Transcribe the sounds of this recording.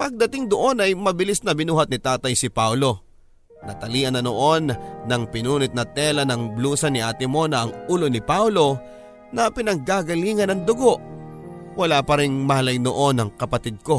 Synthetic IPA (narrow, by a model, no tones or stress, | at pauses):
pɐɡ̚d̪ɐt̪ɪŋd̪oʔo̞nɐjmɐbɪlisnɐbɪnuːhɐt̪̚nɪt̪aːt̪ɐjsɪpawlo̞ | nɐt̪ɐliːʔɐnɐnoʔo̞nːɐŋpɪnuːnɪt̪̚nɐt̪ɛːlɐnɐŋbluːsɐnɪʔat̪ɪmo̞nɐʔɐŋuːlonɪpawlo̞ | nɐpɪnɐŋɡaɡɐliːŋɐnɐŋd̪ʊɡo̞ʔ | wɐlaːpɐɾɪŋmɐhɐlɐjno̰ʔo̞nɐŋkɐpɐt̪id̪̚ko̞